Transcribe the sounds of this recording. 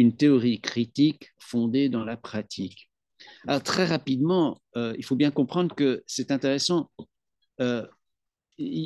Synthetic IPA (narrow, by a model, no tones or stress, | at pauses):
ynt̪eɔʁikχit̪ikfɔ̃d̪ed̪ɑ̃lapχat̪ʰik | alɔʁt̪χɛʁapid̪mɑ̃ | øilfobjɛ̃kɔ̃pχɑ̃d̪ʁkəsɛt̪ɛ̃t̪eʁɛsɑ̃ | ø